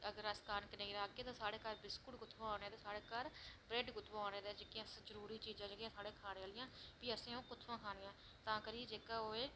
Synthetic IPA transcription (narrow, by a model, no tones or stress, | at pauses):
əɡəɾəskaːnkəneːɾaːkːeːt̪ãːsaːɽeːkəɾbɪskʊʈɡʊt̪ʰʋãːaːneːt̪aːsaːɽeːkəɾbɾeːɖɡʊt̪ʰʋaːneːd̪eːd͡ʒekɪjãːszəɾuːɾiːt͡ʃiːd͡ʒãːd͡ʒekjãːsaːɽẽːkʰaːneːaːlɪjãːbiːəsẽːõːkʊt̪ʰʋãːkʰaːneːãː | t̪ãːkəɾiːeːd͡ʒeːkaːoːeː